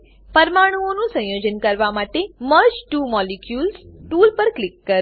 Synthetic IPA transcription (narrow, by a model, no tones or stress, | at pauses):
pəɾmaɽ̃uonũsə̃jod͡ʒənkəɾʋamaʈeməɾd͡ʒʈumɔlikjulsʈulpəɾklɪkːəɾ